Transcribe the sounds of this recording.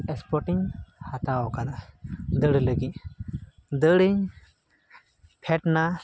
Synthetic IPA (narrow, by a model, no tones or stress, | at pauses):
ɛspɔʈiɲhat̪aɔkad̪ad̪əɽləɡic | d̪əɽiɲ | pʰɛʈna